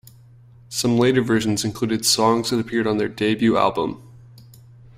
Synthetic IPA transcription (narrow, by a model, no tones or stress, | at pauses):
sʌ̃mleɪɾə˞vɜ˞ʒ̃n̩zɨ̃nkʰl̥ʉɾɨd̥sɔ̃ŋzðɨɾəpʰɪɹɾn̩ðə˞deɪbjʉæ̰lˠbə̰̃m